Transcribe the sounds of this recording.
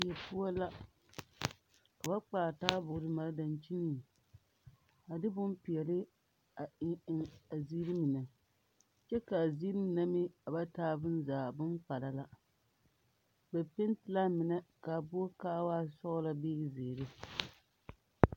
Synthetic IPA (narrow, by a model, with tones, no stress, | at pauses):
ɛ˨pu˦a˦la˦ | ka˨ba˦k͡paː˨taː˦bʊ˨ɾɨ˨˦ma˨ɾda˨nt͡ʃi˦ni˦˨ | a˨dɨ˦bʊ˦mpi˨ɛ˨lɪ˦ | a˨ɪ˦ŋɪ˨ŋa˨zi˦ɾɨ˦mi˨nɛ˨ | t͡ʃɛ˦ka˨ziː˦ɾɨ˦mi˨na˦mɪ˦a˨ba˦taː˦bɨ˦n˦zaː˨bɨ˦mpa˨la˨la˦ | bɛ˨pɪ˦n˦tɪ˨˦la˦mɪ˨nɛ˨ka˨bo˦kaː˦waː˦sɔ˦ɣla˦beː˦˨zeː˨ɾɨ˦